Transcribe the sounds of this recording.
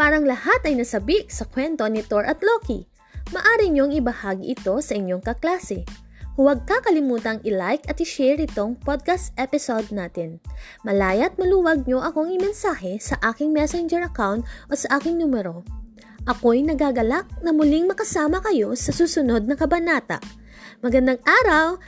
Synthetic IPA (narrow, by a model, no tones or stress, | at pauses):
paːɾɐŋlɐhat̪ɐjnɐsɐbiʔsɐkwɛnt̪o̞nɪt̪o̞ɹʔɐt̪lokḭ | mɐʔaːɾiɲo̞ŋɪbɐhaːɡiʔɪt̪o̞sɐʔɪɲːo̞ŋkɐklaːsɛ | hʊwɐɡ̚kɐkɐlɪmuːt̪ɐŋʔɪlajkɐt̪̚hɪʃɛɹʔɪt̪o̞ŋpod̪̚kɐst̪ʔɛpɪsod̪̚naːt̪ɪn | mɐlaːjɐt̪̚mɐluːwɐɡ̚ɲo̞ʔɐko̞ɐŋɪmɛnsaːɦɛsɐʔaːkɪŋmɛsɛnd͡ʒɛɹʔɐkawnt̪ʔo̞sɐʔaːkɪŋnuːmɛɾo̞ | ʔɐko̞jnɐɡaːɡɐlak̚nɐmʊliŋmɐkɐsaːmɐkɐjo̞sɐsuːsʊno̞d̪̚nɐŋkɐbɐnaːt̪ɐ̰ʔ | mɐɡɐnd̪aŋʔaːɾɐw